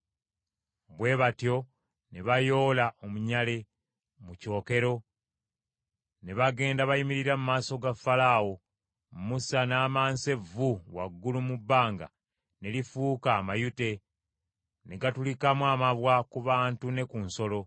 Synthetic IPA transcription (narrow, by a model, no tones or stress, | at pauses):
bwe̞ːβatjo̞ | ne̞βajo̞ːlaʔo̞muɲale̞ | muco̞ːke̞ɾo̞ | ne̞βaɡe̞ːndaβajimiɾiɾamumaːso̞ɡafalaːwo | musanaːmaːnse̞vuwaɡːulumubːaːŋɡa̰ | ne̞lifuːkaːmajute̞ | ne̞ɡatulikamwamaβwakuβaːntune̞kunso̞lo̞